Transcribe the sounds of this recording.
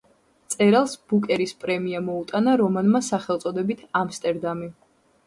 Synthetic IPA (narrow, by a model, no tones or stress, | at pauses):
t̪sʼɛɾalˠsb̥ukʼɛɾispʼɾɛmiamɔut̪ʼanaɾɔmanmasaχɛlˠt̪sʼɔd̪ɛbit̪ʰamst̪ʼɛɾd̪ami